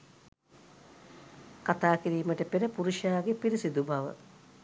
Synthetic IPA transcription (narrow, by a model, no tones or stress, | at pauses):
kat̪aːkiɾiːməʈəpeɾəpuɾuʃaːɡepiɾisid̪ubaʋə̰